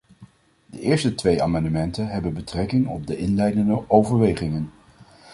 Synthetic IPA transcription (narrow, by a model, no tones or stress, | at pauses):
dəʔɪːɹstətʋeja̰ːmɑndəmɛntənɦɛbənbətrɛkɪŋɔ̰b̚dəʔɪnlɛjdəndəʔowvəɹʋejχɪŋən